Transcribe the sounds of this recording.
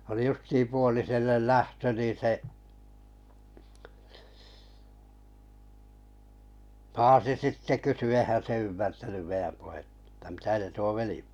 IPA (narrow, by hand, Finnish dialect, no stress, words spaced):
oli justiːm puoliselːel læhtø nin̞̆ se pɑːsi sitːe kysy eihæn se ymːærtænym meij̆æm puhetːɑ̥ tːæ̥ mitæ se tuo ʋeli